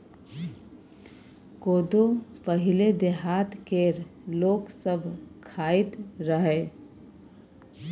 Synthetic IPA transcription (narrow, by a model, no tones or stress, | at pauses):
koːd̪opəɦɪled̪eɦaːt̪keɾloːksəbʱkʰaːɪt̪ɾəɦe